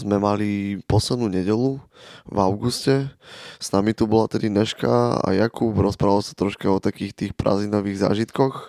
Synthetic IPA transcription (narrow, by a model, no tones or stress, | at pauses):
zmɛmalipɔslɛd̪nuːɲɛɟɛluvaʊɡuscɛz̥namit̪ubɔlat̪ɛd̪inɛʃka̰a̰jakupɾɔspɾaʋalsḁt̪ɾɔʃkaɔt̪akiːxt̪iːxpɾa̰zinɔʋiːɣza̰ːʒit̪kɔx